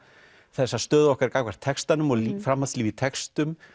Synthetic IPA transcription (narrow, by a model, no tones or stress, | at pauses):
θɛsːast̪œːðɔhkaɾkaːkvaɾ̥t̪ʰɛkst̪anʏmɔɣfɾamhasliːvit̪ʰɛkst̪ʏm